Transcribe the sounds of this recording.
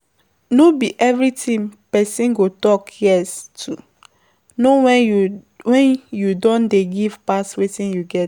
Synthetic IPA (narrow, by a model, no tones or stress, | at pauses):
nobiʔɛvɹitĩmpɛsĩnɡotɔkjɛstʰu | nowɛ | wɛ̃njudɔ̃ndeɡiv̥paswetĩnjuɡɛt